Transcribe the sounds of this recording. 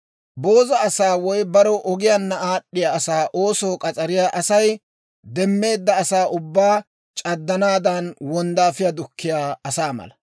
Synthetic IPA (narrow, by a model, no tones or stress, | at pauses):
bo̞ːzɐːsaːwɔjbɐɾɔʔɔɡɪjanːɐaːɗːɪjaɐsaːʔo̞ːsɔːkʼɐt͡sʼɐɾɪjaʔɐsɐj | d̪ɛmːe̞ːd̪ːɐːsaːʔʊbːaː | t͡ʃʼɐd̪ːɐnaːd̪ɐnwɔnd̪aːfɪjad̪ʊkʰːɪjaːɐsaːmɐ̰lɐ